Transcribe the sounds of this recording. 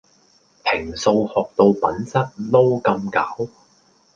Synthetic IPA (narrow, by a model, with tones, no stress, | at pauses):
pʰɪ˨˩ŋso˧whɔː˨k̚t̪o˧wpɐ˨˥nsɐ˥t̚lo˥wkɐ˧mkɐ˨˥w